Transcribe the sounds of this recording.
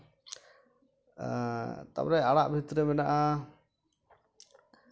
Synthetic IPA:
t̪a̰pɾɛaɽaʔbʱit̪ɾəbɛnaʔa

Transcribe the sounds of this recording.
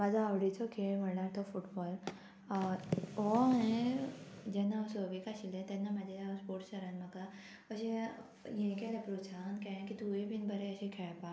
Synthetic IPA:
mad͡zʱaawɽit͡sɔkʰem̤ənaɾt̪ʰɔfuʈbɔl | ɔẽ | d͡ʑɛnːaɔsəʋikaɕilẽt̪ɛnːamad͡ʑʱaaspoɾʈɕəɾãnmaka | əɕẽ | jẽkɛlapɾusʰankɛ̃ẽkit̪uẽbʱinbəɾeəɕẽkʰɛɭpa

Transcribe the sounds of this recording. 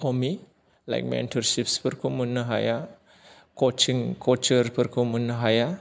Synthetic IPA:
omi | la̰jk̚mḛntʰɔɾsipspʰəɾkʰumunːəɦa̰ja | kot͡ʃiŋkʰot͡ʃəɾpʰəɾkʰomunəɦaja

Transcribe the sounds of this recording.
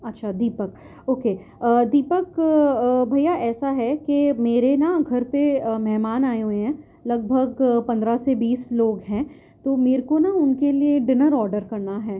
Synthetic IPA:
ɐtːʃʰad̪iːpək̚ | oːkeː | d̪iːpək | bʱɐjaʔɛːsaɦɛkemeːɾenaɡʱɐɾpemɛɦmaːnaːeɦueɦɛ̃ː | lɐɡ̚bʱəɡpɐ̃nd̪ɾasebiːsloːɡɦɛ̃ː | t̪oːmeːɾkonaʊnkelieɖɪnəɾɔːɾɖəɾkɐɾnaɦɛː

